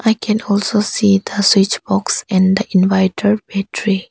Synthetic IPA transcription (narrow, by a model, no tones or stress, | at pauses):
ʔajkʰɛ̃nɔlsosid̪əswit͡ʃbɔksɛ̃nd̪əʔĩnvaɪtʰəɹbɛtʰɹi